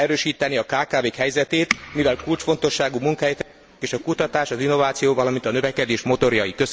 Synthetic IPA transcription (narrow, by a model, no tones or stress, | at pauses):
ɛɾøːʃiːt̪ɛniɒkaːkaːveːkɦɛjzɛt̪eːt̪mivɛlkult͡ʃfo̞nt̪o̞ʃːaːɡumuŋkɒɦɛjt̪ɛ | eːʃɒkut̪ɒt̪aːʃɒzinːo̞vaːt̪sijoːvɒlɒmint̪ɒnø̞vɛkɛd̪eːʃmo̞t̪o̞ɾjɒjikøs